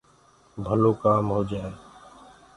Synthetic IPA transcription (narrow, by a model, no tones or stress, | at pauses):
bʱəloːkaːmɦoːd͡ʒaːe